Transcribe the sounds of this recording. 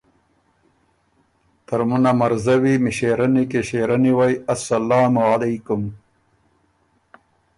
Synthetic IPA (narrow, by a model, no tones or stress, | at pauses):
t̪ɐɾmunamɐɾzɐwimiɕeːɾɐnikeɕeːɾɐniwajɐsɐlaːmualejkʊm